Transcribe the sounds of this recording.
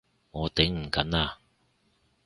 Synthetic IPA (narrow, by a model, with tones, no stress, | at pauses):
ŋɔː˨˧t̪ɪ˨˥ŋm̩˨˩kɐ˨˥naː˧